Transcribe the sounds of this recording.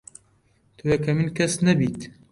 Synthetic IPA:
t̪ʰuekʰɐminkʰɐsnɐbit̪

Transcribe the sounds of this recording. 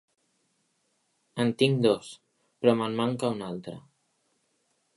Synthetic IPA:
ənt̪iŋd̪ɔs | pɾɔməmːaŋkaunalˠt̪ɾə̰

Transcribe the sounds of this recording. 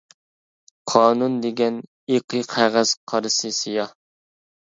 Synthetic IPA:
qʰɑːnund̪eɡʲɛn | eqʰɨqʰæʁæz̥qʰɑɾɨsɨsijɑh

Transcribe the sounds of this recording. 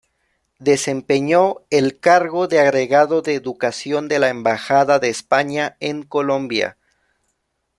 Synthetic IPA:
ðe̞se̞mpeɲoelkaɾɣo̞ðeaɣɾe̞ɣaðo̞ðe̞ːðukasjo̞nd̪e̞laembaxaðaðe̞ːspaɲae̞ŋko̞lo̞mbja̰

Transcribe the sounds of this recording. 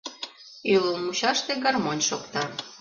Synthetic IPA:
yləlmut͡ɕɑʃt̪eɡɑrmonʲʃokt̪ɑ

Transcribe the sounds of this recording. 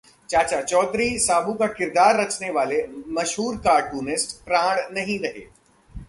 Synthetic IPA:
t͡ʃaːt͡ʃat͡ʃɔːd̪ɾisaːbukakɪɾd̪aːɾːɐt͡ʃneʋaːlemɐʃɦuːɾkaːʈuːnɪsʈpɾãːɽnɐɦĩɾɐɦḛː

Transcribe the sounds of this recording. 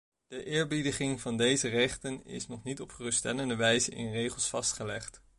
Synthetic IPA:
d̥əʔɪːɹbidəχɪŋvɑndejzərɛχtənɪ̰snɔχnitɔpχərɵstɛləndəʋɛjzənɪ̰nrejχəlˠsfɑstχəlɛχt

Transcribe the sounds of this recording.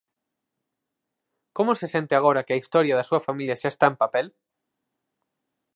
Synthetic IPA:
komose̞sẽ̞nt̪eaɣ̞oɾakeaist̪oɾjaðasuafamiljaʃaest̪aempapel

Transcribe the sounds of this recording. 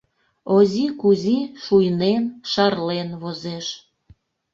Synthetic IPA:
ozʲikuzʲiʃujnenʃɑrlenβozeʃ

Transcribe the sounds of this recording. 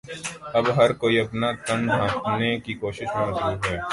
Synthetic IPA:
ɐbɦɐɾkoːiɐpnat̪ɐ̃ɳɖɖ̪ʱãːpnekikoːʃɪʃmãːd̪ɾuːɦɛː

